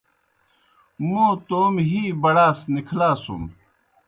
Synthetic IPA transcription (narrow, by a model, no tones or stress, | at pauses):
mõːt̪oːmɦiːbɐɽaːsnikʰlaːsṵm